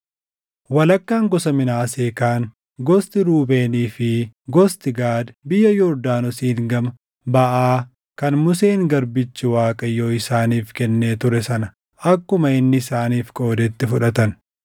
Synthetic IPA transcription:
wɐlɐkːaːŋɡɔsɐmɪnaːseːkaːŋ | ɡɔst̪ɪɾuːbe̞ːniːfɪɡɔst̪ɪɡaːd̪bɪjːɐjɔɾd̪aːnɔsiːŋɡɐmɐ | bɐʔaː | kɐnmʊs̬eːŋɡɐɾbɪt͡ʃːɪwaːkʼɐjo̞ːɪsaːniːfkɛnːeːt̪ʊɾɛsɐnɐ | ɐkːʊmɐɪnːɪːsaːniːfkʼo̞ːd̪ɛt̪ːɪfʊᶑɐt̪ɐn

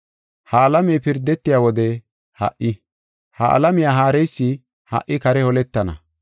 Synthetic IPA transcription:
hɐːlɐmɛjpɪɾd̪ːɛt̪ːɪjaːwɔd̪ɛ | hɐ̰ʔɪ | hɐʔɐ̰lɐmɪjaːɦaːɾɛjsːɪ | hɐ̰ʔːɪkɐɾɛhɔlɛt̪ːɐnɐ̰

